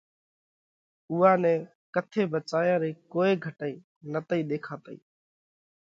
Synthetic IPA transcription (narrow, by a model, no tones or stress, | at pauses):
ʊːaːnɛ̃ː | kət̪ʰeːbət͡ʃaːjãːɾeːkoːeːɡʱəʈəiː | nət̪əĩːɗ̪eːkʰaːt̪əḭː